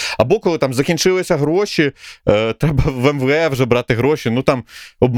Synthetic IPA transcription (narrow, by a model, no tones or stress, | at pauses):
ɐbɔkɔlˠɪt̪ɑmzɐkʲint͡ʃɪlˠɪsʲɐɦɾɔʃʲit̪ɾɛbɐʋɛmʋɛwʒɛbɾɑt̪ɪɦɾɔʃʲinut̪ɑmɔbm